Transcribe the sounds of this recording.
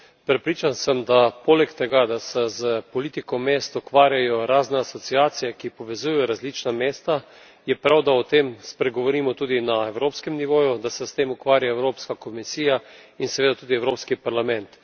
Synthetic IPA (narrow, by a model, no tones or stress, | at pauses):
pɾɛpɾiːt͡ʃansəmd̪apoːlɛkt̪ɛɡad̪asɛzəpɔliːt̪ikɔmeːst̪ukʋaːɾjajɔɾaːznɛasɔt̪siaːsijɛkipɔʋɛzujɛjɔɾazliːt͡ʃnameːst̪a | jɛpɾawd̪aɔt̪emspɾɛɡɔʋɔɾiːmɔt̪uːd̪inaɛwɾoːpskɛmniʋoːjud̪asɛst̪eːmukʋaːɾjaɛwɾoːpskakɔmisiːjainsɛʋeːd̪at̪uːd̪iɛwɾoːpskipaɾlamɛ̃nt̪